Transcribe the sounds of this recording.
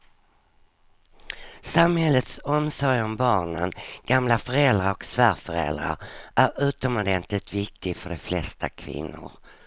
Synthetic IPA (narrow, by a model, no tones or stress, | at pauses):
samhɛlːət̪sɔmsɔɾjɔmbɑːɳənɡ̥amlafœɾɛld̪ɾaɾɔksvæːɾfœɾɛ̰ld̪ɾa̰ɾʔæɾʉ̟ːt̪ɔmɔd̪ɛnt̪lət̪vɪk̚t̪ʰɪɡfœɖɛflɛst̪a̰kʰvɪ̰nːʊ̰ɾ